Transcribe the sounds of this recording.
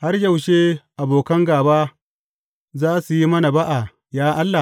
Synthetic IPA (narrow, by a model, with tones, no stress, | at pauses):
ha˦rjɐ˨wʃeː˦ʔa˨boː˨kɐ˦ŋɡaː˨baː˦ | zaː˦su˨ji˦mɐ˦na˨ba˦ʔa˨ | jaː˦ʔa˦lːa˨